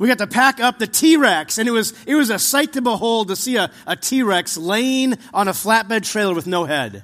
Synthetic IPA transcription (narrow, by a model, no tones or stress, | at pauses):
wiɡɑtɨpʰækʌp̚ðɨtʰiɹɛksɨ̃nɨt̚wʌzɨt̚wʌzɨsaɪtʰɨbəhoʊlˠd̚tɨsiɨʔətʰiɹɛkslẽɪɪ̃ŋʔə̃nəflæt̚b̥ɛd̚tʰɹ̥eɪlˠə˞wɨðnoʊhɛd̥